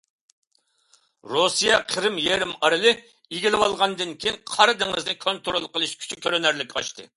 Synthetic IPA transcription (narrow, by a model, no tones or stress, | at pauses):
ɾosijɑqʰəɾɪmjeɾɪmɑɾɨlˠɪ | iɡʲilˠɪwɑlˠʁɑnd̪ɨnkʲʰijiŋqʰɑɾɨd̪ɨŋɨznɪkʰont̪ɾolˠqəlˠɨʃkʲʰy̥t͡ʃʰikʲʰøɾenæɾlɪkʲɑ̰ʃt̪ɨ̰